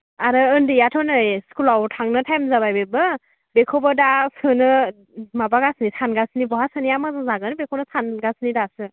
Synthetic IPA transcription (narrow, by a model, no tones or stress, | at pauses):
aɾɯɯndijatʰɔnɯjskulawtʰaŋnɯtʰajmzabajbebɯ | bekʰɔbɔdasɯnɯ | mabaɡasnisanɡasnibɔɦasɯniamazazaɡɯnbekʰonɯsanɡasnidasɯ